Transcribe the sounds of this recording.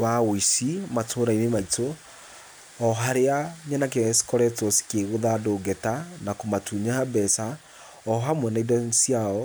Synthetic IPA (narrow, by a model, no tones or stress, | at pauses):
waɣoisimatʰoɾainemaitʰo | ɔɦaɾeaɲɛnakɛskɔɾɛtɔsi̥keɣoðadoɡɛtanakomatʰuɲaabɛsa | ɔɦamwɛnaidɔsiaɔ